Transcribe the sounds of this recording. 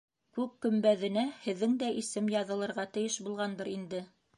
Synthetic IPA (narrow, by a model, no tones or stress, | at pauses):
kʉkkɵ̆mbæðɘ̆næhɘ̆ðːɘŋd̪æʔisɘmjɑðɤ̆lˠɤ̆ɾʁɑt̪ɘ̆jɘʃbulˠʁɑnd̪ɤɾind̪ɘ